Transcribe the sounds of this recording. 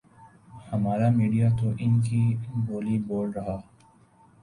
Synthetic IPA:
hɐmaːɾamiːɖijat̪oʔɪnkiboːliboːɖɾɐɦaː

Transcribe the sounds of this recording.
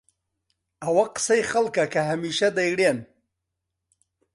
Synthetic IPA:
awaqsajxalkakaɦamiʃad̪ajɽen

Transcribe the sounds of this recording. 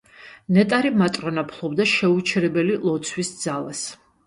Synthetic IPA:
nɛt̪ʼaɾimat̪ʼɾɔnapʰlˠɔbd̪aʃɛut͡ʃʰɛɾɛbɛlilˠɔt̪sʰwisd̪z̥ala̰s

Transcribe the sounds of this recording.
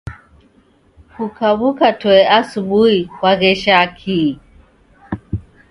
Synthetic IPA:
hukaβukatwɛasuɓuhikwaɣɛʃakʰi

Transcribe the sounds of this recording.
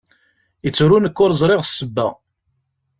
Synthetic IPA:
jət͡sːuɾunəkːʊɾzˤɾˤɪʁsːəbːæ̰

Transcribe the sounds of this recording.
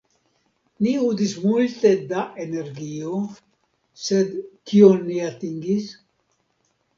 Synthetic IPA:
niud̪ismult̪ed̪aʔeneɾɡio | sed̪kionːiat̪iŋɡis

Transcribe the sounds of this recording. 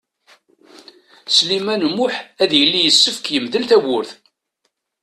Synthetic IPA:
slimænmːʊħæðjəlːijəsːəfəkjəmðəlt̪æwʊɾθ

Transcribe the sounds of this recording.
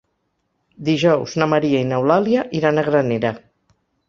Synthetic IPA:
d̪iʒɔwznəməɾiainəwlaliəʔiɾanəɣɾəneɾə

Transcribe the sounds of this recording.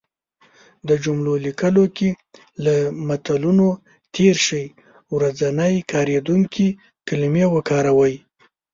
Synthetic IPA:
d̪əd͡ʒumlolikəloke | lamat̪aluno | t̪ʰeɾʃəj | wɾazanəjkʰɑɾed̪uŋkʰi | kɪlmjewəkɑɾawəj

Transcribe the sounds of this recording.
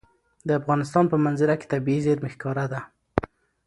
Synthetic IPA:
d̪əafɣɑnɪs̬t̪ɑnpəmanzɪɾake̥t̪abiizeɾmɪxkɑɾad̪a

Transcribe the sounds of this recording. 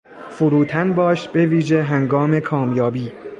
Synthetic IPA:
fʊɾuːt̪ʰænbɒːʃbe̞viːʒe̞ɦæŋɡɒːme̞kʰɒːmjɒːbiː

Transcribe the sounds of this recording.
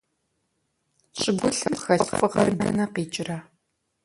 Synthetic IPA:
ɕʼɪɡʷʊɬɐmxɐɬfʷʼɨʁɐrnɐ̰nɐqiːt͡ʃʼɪrɐ

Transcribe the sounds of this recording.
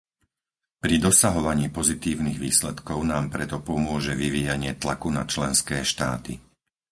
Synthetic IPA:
pɾid̪ɔsaɦɔʋaɲiːpɔzit̪iːʊniɣʋiːslɛt̪kɔʊnaːmpɾɛt̪ɔpɔmʊɔʒɛʋiʋiːjaɲɪɛt̪lakuna̰t͡ʃlɛnskɛːʃt̪a̰ːt̪ḭ

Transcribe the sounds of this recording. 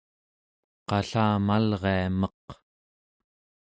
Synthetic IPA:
qɑɬaːmalʁeamʌq

